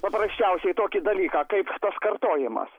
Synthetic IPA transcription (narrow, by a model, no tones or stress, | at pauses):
pɐpɾɐsʲt͡ʃʲɛʊsʲɛɪt̪oːkʲɪd̪ɐlʲiːkɑːkɐɪpt̪ɐskɐrt̪oːjɪmɐ̰s